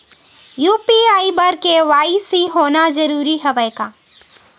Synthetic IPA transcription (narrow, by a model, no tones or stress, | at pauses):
juːpiaːibəɾkeʋaːisiɦoːnazɐɾuːɾiɦɛʋəjkaː